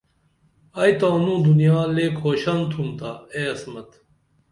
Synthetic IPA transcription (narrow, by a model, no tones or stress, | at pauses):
ɐjt̪ãːnũːd̪unijaːleːkʰoːɕɐnt̪ʰumt̪aeɐsmɐt̪